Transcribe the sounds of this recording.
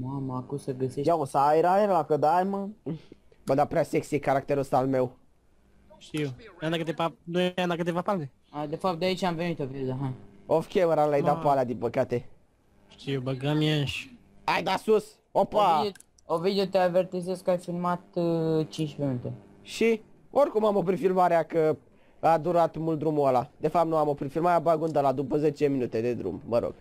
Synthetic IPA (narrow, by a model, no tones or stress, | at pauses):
maməakusəɡəsejaosajɾaɾlakəd̪ajmən | bəd̪apɾeaseksiekaɾak̚t̪eɾusalme̞w | ʃt̪iujanakɨt̪evanueamd̪akɨt̪evapalne | ad̪efap̚t̪̚d̪eait͡ʃamvenit̪ovid̪eod̪eɦaofkʲevəɾalajd̪apalad̪impəkat̪e | ʃt̪iebəɡamiaʃ | ajd̪asus | opa | ovid̪eot̪eavert̪izeskajfilmat̪t͡ʃint͡ʃminut̪e̞ | ʃi | orʲkumamopɾifilmaɾeakə | ad̪uɾat̪mult̪d̪ɾumuəlad̪e̞fapt̪nuamopɾifilmaɾeabaɡund̪əlad̪upəze̞t͡ʃe̞minut̪e̞d̪e̞d̪ɾṵmməɾo̰ɡ̥